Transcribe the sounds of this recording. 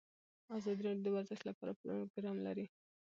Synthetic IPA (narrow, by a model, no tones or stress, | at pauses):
ɑzɑd̪iɾɑɽjod̪əwaɾzaʃt̪lapɑɾapɾuɡɾɑmla̰ɾi